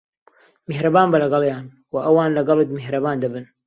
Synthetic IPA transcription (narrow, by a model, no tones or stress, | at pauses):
mɪhɾabaːmbalaɡɑljaːn | waʔawaːnlaɡɑlɨd̪mɪhɾabaːnd̪abən